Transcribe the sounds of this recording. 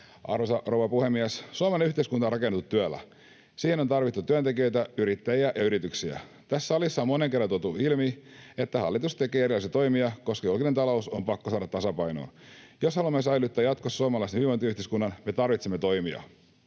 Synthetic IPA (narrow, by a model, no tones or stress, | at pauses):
ɑ̰rʋosɑrowʋɑpuhemːiæssuɑmelnenyht̪eiskunt̪ɑonrɑkenet̪ːut̪ːyælːæ̰ | siːheno̞nt̪ɑrʋit̪ːut̪yænt̪e̞kiø̞jt̪æyɾit̪ːæjiæʔjɑyɾit̪yksiæ̰ | t̪æsːæɑlisːɑomoneŋkerːɑnt̪ot̪uilmiet̪ːæhɑlːit̪ust̪e̞keːerilɑˑsit̪o̞imiɑko̞skɑjulkinent̪ɑlo̞usompɑkːosɑːdɑt̪ːɑsɑpɑjno̰ːn | joshɑlumːesɑjlut̪ːæːjɑt̪kossuɑmɑlɑisenhiʋont̪yøyht̪eiskunːɑnme̞t̪ɑrʋit̪semːet̪o̞imiɑ̰